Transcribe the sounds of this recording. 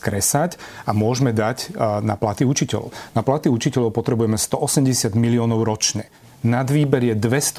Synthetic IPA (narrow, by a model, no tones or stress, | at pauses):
kɾɛsacamʊɔʒmɛd̪aɟna̰plat̪iut͡ʃicɛ̰lɔ̰ʊnaplat̪iut͡ʃicɛlɔʊpɔt̪ɾɛbujɛmɛst̪ɔʔɔsɛmɟɛsɪad̪miliɔːnɔʊɾɔt͡ʃɲɛ | nad̪ʋiːbɛɾjɛd̪ʋɛst̪